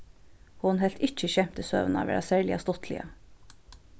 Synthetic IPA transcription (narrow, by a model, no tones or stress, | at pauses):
hʊnhɛlt̪ɪt͡ʃəçɛmpt̪əsø̰ːʋənɑ̰ːʋæ̰ːɑsæːɹɭɪɑst̪ɔt̪ʰlɪ̰ə